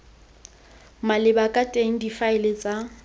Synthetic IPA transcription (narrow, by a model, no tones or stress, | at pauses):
malɪbakʼatʼeŋ̩difaɪlɪt͡sʼa